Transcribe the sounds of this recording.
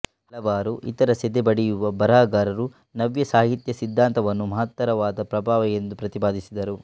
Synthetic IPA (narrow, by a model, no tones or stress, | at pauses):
hɐlɐʋaːɾuʔḭt̪ɐɾɐsɛd̪ebɐɽijuʋɐbɐɾaːɡaːɾɐɾu | nɐʋjɐsaːɦit̪jɐsid̪ʱːaːnt̪ɐʋɐnːumɐɦɐt̪ːɐɾɐʋaːd̪ɐpɾɐbʱaːʋɐjend̪upɾɐt̪ipaːd̪isid̪ɐɾu